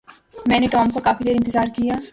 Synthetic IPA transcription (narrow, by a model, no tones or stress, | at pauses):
mɛ̃ːneʈɔːmkokaːfid̪eːɾɪ̃nt̪ɪzaːɾkijaː